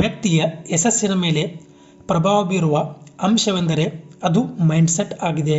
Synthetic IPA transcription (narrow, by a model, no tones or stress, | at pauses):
ʋjɐk̚t̪ijɐesɐsinɐme̞ːle̞ | pɾɐbʱaːʋɐbiɾuʋɐɐmʃɐʋend̪ɐɾe̞ɐd̪umɐjɳɖseʈaːɡid̪e̞